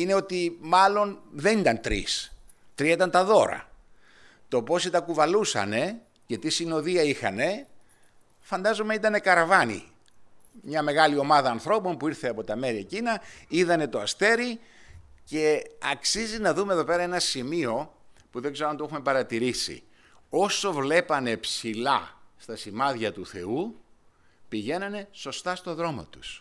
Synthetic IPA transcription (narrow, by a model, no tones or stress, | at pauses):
ine̞o̞t̪imɐlo̞nðe̞nit̪ɐnt̪ɾḭs | t̪ɾieit̪ɐnt̪ɐðo̞ɾɐ̰ | t̪o̞po̞sit̪ɐkuvɐlusɐ̰ne̞ | ce̞t̪isino̞ðiɐixɐ̰ne̞ | fɐnd̪ɐzo̞meit̪ɐne̞kɐɾɐvɐnḭ | mɲɐme̞ɣɐlio̞mɐðɐːnθɾo̞po̞mpuiɾθe̞ɐpo̞t̪ɐme̞ɾiecinɐiðɐne̞t̪o̞ɐst̪e̞ɾi | ce̞ɐksizinɐðumeðo̞pe̞ɾɐe̞nɐsimio̞puðe̞ɡze̞ɾɐnt̪oexume̞pɐɾɐt̪iɾisḭ | o̞so̞vle̞pɐne̞psilɐst̪ɐsimɐðʝɐt̪uθe̞u | piʝe̞nɐne̞so̞st̪ɐst̪o̞ðɾo̞mo̰t̪u̥s